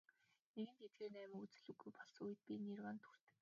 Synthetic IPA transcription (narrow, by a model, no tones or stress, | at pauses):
neɣɘ̆nt̪et̪̚ɡeːrnæːmɘ̆ŋut͡sɘ̆ɮuɣɡujpɔɮsujɘ̆t̪̚pʲinirwaːnt̪ʰxu̥r̥t̪ɘ̆k